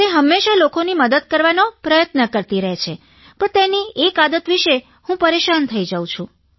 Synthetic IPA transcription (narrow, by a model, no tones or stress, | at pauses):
t̪eɦəmːeʃalokoniməd̪əd̪̚kəɾʋanopɾəjət̪nəkəɾt̪iɾəɦet͡ʃʰe | pəɳt̪eniekad̪ət̪ʋiʃe | hũpəɾeʃant̪ʰəid͡ʒəũt͡ʃʰũ